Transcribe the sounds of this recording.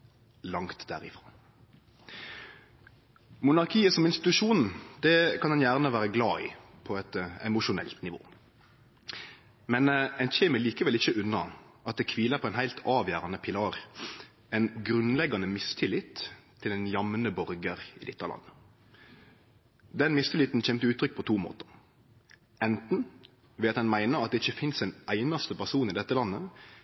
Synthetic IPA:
lɑŋt̪d̪æ̰ːʁɪfʁɑː | mʊnɑʁkʰiːəsɔmɪnst̪ɪt̪ʉʃuːnn̩d̪̥ɛkʰɑnd̪ɛnjæːʁnəʋæːɾəɡlɑːɪ̰ | pʰɔɛt̪ɛmʊʃʊnɛ̰lt̪nɪʋo̰ː | mɛnɛnçeːməliːkəʋɛlɪçəʉnːɑɑt̪̚d̪ɛːkʰʋiːləʁpʰɔːɛɪnɦæɪlt̪ʰɑːʋjæːʁɑnəpʰɪlɑːʁ | ɛnɡɾʉnlɛɡɑnəmɪst̪ʰɪlɪt̪ʰː | ɪld̪ɛnjɑmnəbɔɾɡəɾɪd̪ɪt̪ːɑlʔɑ̰nːə | d̪ɛnmɪst̪ɪlɪt̪n̩c͡çɛmt̪əʉːt̪ʰɾʏk̚ːpʰɔt̪ʰuːmo̰ːt̪ə̥ʁ | ɛnt̪n̩ | ʋɛːɑt̪hɛnmæɪnəɾɑt̪̚d̪ɛɪçːəfɪnsɛɪnʔæɪnɑst̪əpæʁsuːnɪd̪ɛt̪ːəlɑnːə

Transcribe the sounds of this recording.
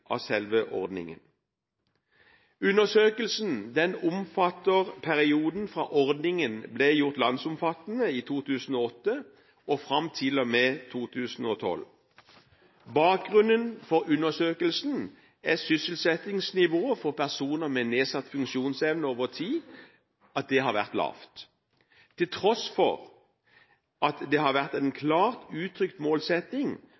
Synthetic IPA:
ʔɑ̰ʋsɛlʋəʔɔ̰ʁd̪nɪ̰ŋə̰n | ʉnəsøːkəlsn̩d̪ɛnʊmfɑt̪ːəʁpʰæʁɪuːd̪n̩fʁɑ̰ːʔɔʁd̪nɪŋənblejʊʁt̪lɑnsʊmfɑt̪n̩əiːt̪ʰuːt̪ʰʉːsn̩oːɔt̪ːə | ɔfʁɑmt̪ʰɪlɔmeːt̪ʰuːt̪ʰʉːsn̩oːt̪ʰɔ̰l | bɑːk̚ɡʁʉnənfɔʁʉnːəsøːkəlsn̩ | æsʏsəlsɛt̪ɪŋsnɪʋoːəfɔʁpʰæʁsuːnəmɛneːsɑt̪ːfʉŋʃuːnsɛʋnəoːʋət̪ʰiː | ɑt̪̚d̪ɛɦɑʁʋæ̰ʁt̪lɑ̰ːft̪ | t̪ʰːɪlt̪ʰʁɔsfɔ̰ʁ | ʔɑt̪d̪ɛhɑʁʋæʁt̪ænkʰlɑːʁt̪ʉːt̪ʰʁʏkt̪moːlsɛt̪nɪŋ

